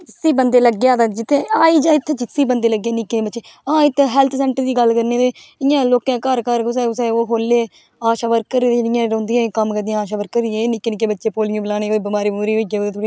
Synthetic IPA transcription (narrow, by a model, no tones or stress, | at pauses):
d͡ʒɪsiːbənd̪eːləɡːjaːd̪aːd͡ʒɪt̪ʰːẽːaːiːd͡ʒaːɪt̪ʰːeːd͡ʒɪsiːbənd̪eːləɡːeːnɪkẽbətːʃeːãːɪt̪ːɦɛːlt̪ʰsɛ̃ːɳʈəɾd̪iːɡəlkəɾneːd̪eː | ɪjãːloːkãːkəɾkəɾkʊseʊseoːɦoːlːeː | aːʃaːʋəɾkːəɾːeːd̪nɪjãːɾõːnd̪ijãːkəmkəɾd̪ĩjãːaːʃaːʋəɾkəɾɪẽːnɪkːeːnɪkːeːbətːʃeːpoːlɪjõːbəlaːneːoːiːbɪmaːɾiːmuːɾiːoːiɡẽoeːt̪ʰː